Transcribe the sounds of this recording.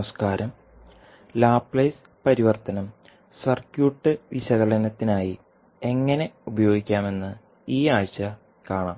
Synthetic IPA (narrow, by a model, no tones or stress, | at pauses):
skaːɾɐm | laːpːlɐjs | pɐɾiʋɐrt̪ɐnɐm | sɐrkjuːʈːɨʋiɕɐɣɐlɐnɐt̪ːinaːji | e̞ŋːɐne̞ubɐjo̞ːɡikʲːaːme̞nːɨ | iːaːjɕɐ | kaːɳaːm